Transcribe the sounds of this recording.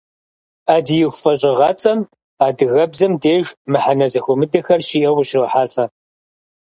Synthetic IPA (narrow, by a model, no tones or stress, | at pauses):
aːdɨjɪxʷfɐɕʼɪʁɐt͡sʼɐm | aːdɨɣɐbzɐmdeːʒmɨħanɐzɐxʷɔmɨdɐxɐrʃiʔɐwʊɕroːħaːɬʼɐ